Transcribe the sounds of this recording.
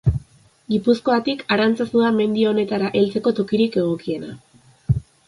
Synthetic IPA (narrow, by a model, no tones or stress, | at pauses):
ɡipusko̞at̪ikaɾant͡sasuðame̞nd̪io̞ne̞t̪aɾaʔe̞lt͡se̞ko̞t̪o̞kiɾike̞ɣ̞o̞kie̞na